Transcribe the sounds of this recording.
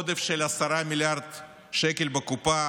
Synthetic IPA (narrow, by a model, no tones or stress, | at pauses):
d̪efʃelasaɾamʲiljaɾd̪ | ʃekelbekupa